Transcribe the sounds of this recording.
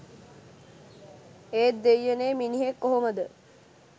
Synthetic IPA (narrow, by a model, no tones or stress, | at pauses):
eːt̪ːejːeneːminiɦekːoɦoməd̪ə